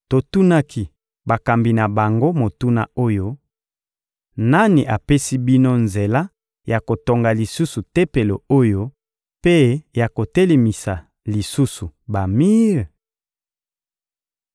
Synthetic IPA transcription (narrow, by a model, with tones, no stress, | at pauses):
to˨tu˦na˦kʰi˨ | ba˨ka˨mbi˨na˨ba˨ŋɡo˦mo˨tu˦na̰˦o˦jo˦ | na˦ni˨ʔa˨pe˦si˦bi˦no˦nze˨la˦ | ja˨ko˨to˨ŋɡa˨li˨su˦su˨tɛ˦pe˨lo˨o˦jo˦ | pe˦ja˨ko˨te˦le˨mi˨sa˨ | li˨su˦su˨ba˨mi˦ʁ